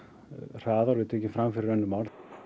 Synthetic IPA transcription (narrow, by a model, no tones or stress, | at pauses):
r̥aːðaɾʏɪðt̪ʰɛːcɪmfɾamfɪɾɪɾœnːʏmawɾ